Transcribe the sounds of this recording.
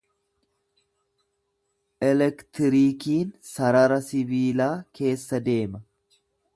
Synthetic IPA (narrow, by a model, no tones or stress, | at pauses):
ʔɛlɛkt̪ɪɾiːkiːnsɐɾɐɾɐsɪbiːlaːke̞ːsːɐd̪e̞ːmɐ